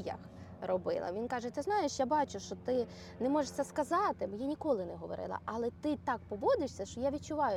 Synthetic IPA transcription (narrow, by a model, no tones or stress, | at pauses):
jɐ̰x | rɔbɪ̰lˠɐ̰ʋʲinkɑʒɛt̪ɪznɑjeʃjabɑt͡ʃʊʃt͡ʃɔt̪ɪ | nɛmɔʒeʃt͡sʲːɐskɐzɑt̪ɪmjanʲikɔlˠɪnɛɦɔʋɔ̰ɾɪ̰lˠɐ̰ʔɐlˠɛt̪ɪt̪ɑk̚pɔbɔd̪ɪʃsʲɐʃt͡ʃɔjaʋʲit͡ʃʊʋɑjʊ